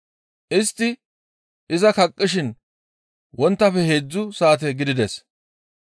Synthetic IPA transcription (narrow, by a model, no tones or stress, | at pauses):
ʔɪst̪ːɪ | ʔɪzɐkɐkʼːɪʃ̬ɪn | wɔnt̪ːɐfɛheːd͡zːʊsaːt̪̬ɛɡɪd̪ɪd̪ɛs